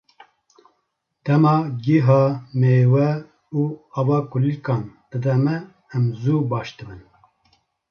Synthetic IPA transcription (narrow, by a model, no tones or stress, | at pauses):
d̪̥ɛmɑːɡeɦɑːmeːwɛ | uːɑvɑːkulikɑːnd̪̥ɨd̪ɛmɛː | mzuːbɑːʃd̪ɨbɨn